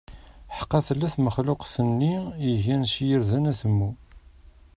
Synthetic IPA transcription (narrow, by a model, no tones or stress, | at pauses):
ħə̥qːɑθəlːæθməχlʊqθənːiəʝænʃjəɾðænæθəmːu